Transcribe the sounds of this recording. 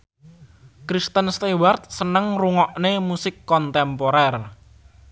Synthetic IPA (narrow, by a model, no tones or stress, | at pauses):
kɾist̪ənst̪ewart̪̚sənəŋruŋɔʔnemusɪkːɔnt̪ɛmpoɾɛr